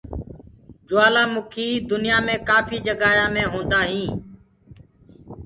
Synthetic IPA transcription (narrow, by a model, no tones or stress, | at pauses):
d͡ʒʊʋaːlaːmʊkʰiːd̪ʊnɪjaːmẽːkaːpʰiːd͡ʒəɡaːjãːmẽːɦõːnd̪aːɦĩː